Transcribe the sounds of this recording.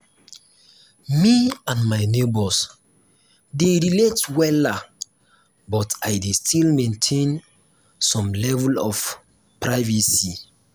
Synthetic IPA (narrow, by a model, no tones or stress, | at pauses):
miãnmaɪnebɔs | deɹiletwɛla | bɔtajdestʰilmẽntʰẽn | sɔ̃mlɛvɛlɔf | pɹaɪvisi